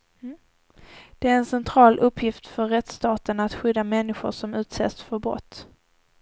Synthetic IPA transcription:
d̪̥ɛæɾɛnsɛnt̪ʰɾɑːlʔɵpːjɪft̪fœɾːɛt̪st̪ɑːt̪ənat̪ɧʏd̪ːamɛnːɪɧʊ̰ʂɔmʉ̟ːt̪sḛːsfœɾbɾɔ̰t̪ː

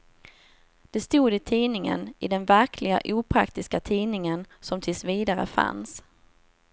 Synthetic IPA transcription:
d̪̥ɛst̪uːd̪ɪt̪ʰiːnɪŋə̰nɪd̪ɛnvæɾkʰlɪɡa̰ʔuːpʰɾa̰kt̪ɪskat̪ʰiːnɪŋənsɔmt̪ʰɪlsviːd̪aɾə̰fa̰ns

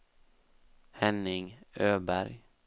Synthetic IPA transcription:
hɛnɪŋøːbæɾj

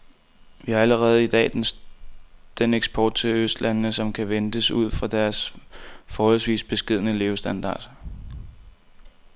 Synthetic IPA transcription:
ʋihɑ̈æləʁɛːð̞̩ˠid̥ɛ̰ːd̥n | d̥eneɡ̥sb̥ʰɒːd̥̚t͡sʰe̝øsd̥lænənəsɒ̽mkʰæʋend̥əsuð̞̰ˠfʁɑ̈d̥æɐs | fɒːhɒl̰sʋḭːsb̥e̝sɡ̥e̝ð̞̰ˠnəle̝ːʊsd̥ænd̥ɑ̰̈ːd̥

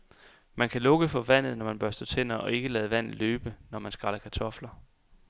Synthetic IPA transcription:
mænkʰælɔ̽ɡ̥əfɒ̽ʋæn̰ð̩ˠnɒmænb̥ɶɐsd̥oːt͡sʰen̰ɐɒ̽e̝ɡ̥əlɛːð̞̩ˠəʋæn̰ð̩ˠløːb̥ənɒmænsɡ̥ɑ̈lɐkʰæt͡sʰɒ̽flɐ

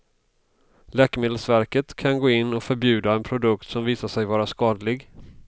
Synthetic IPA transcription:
lɛːkəmeːd̪əlsvæɾkət̪kʰanɡoːɪnːɔkfœɾbjʉ̟ːd̪aɛnpʰɾʊd̪ɵkt̪sɔmviːsaʂɛjvɑːɾaskɑːd̪lɪɡ

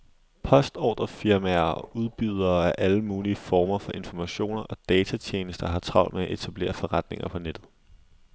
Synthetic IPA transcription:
pʰɒ̽sd̥ɒ̰ːd̥ʁɐfiɐmæɐɒuð̞ˠb̥yð̞ˠɐːæɐʔæləmuːliəfɒːmɐfɒ̽ʔe̝nfɒmæɕo̝̰ːnɐʔɒ̽d̥ɛːt͡sʰæt͡ɕʰjeːnəsd̥ɐɦɑ̈t͡sʰʁɑ̈ʊ̰nmeæʔe̝t͡sʰæb̥le̝̰ːɐfɒ̽ʁɑ̈d̥ne̝ŋɐpʰɒ̽ned̥ð̩ˠ

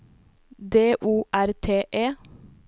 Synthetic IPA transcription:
d̪eːʔuːʔæɾt̪ʰeːʔeː

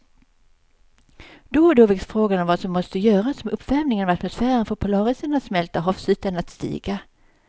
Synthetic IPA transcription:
d̪̥oːd̪oːvɪksfɾoːɡanɔmvasɔmːɔst̪əjœːɾasɔmɵpːvɛːvnɪŋənɑvat̪mʊsfæːɾənfoːɾpʰʊlɑːɾɪsənat̪smɛlt̪aɦɔfsʉ̟ːt̪ənat̪st̪ḭːɡa

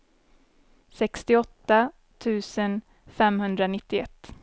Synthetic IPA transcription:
sɛkst̪ɪɔt̪ːa | t̪ʰʉ̟ːsən | fɛmhɵnd̪ɾanɪt̪ːɪɛ̰t̪ː

